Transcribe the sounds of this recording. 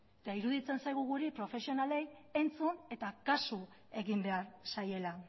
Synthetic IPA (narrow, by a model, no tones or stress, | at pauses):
et̪aiɾuðit͡se̞nsajɣuɣuɾipɾo̞fe̞sio̞nale̞j | e̞nt͡sune̞t̪akasu | e̞ɣimbe̞aɾsaje̞la